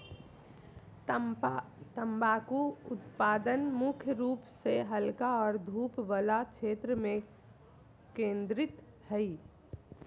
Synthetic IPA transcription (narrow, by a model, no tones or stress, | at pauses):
t̪əmbakuʊt̪paːd̪ənmʊkʰjəɾuːpseɦəlkaɔːɾd̪ʱuːpʋəlakt͡ʃʰeːt̪ɾəmẽ | kẽːnd̪ɾɪt̪ | hɛi